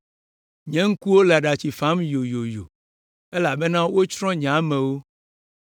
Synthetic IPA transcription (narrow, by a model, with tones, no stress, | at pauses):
ɲɛ̃˦ŋ̩˦ku˦wo˦le˨a˨ɖa˨t͡ɕi˨fa˦mjo˨jo˨jo˨ | e˦la˨be˦nã˦wo˦t͡ʃɾɔ̃˦ɲ˨ã˨˦mɛ̃˨wo˦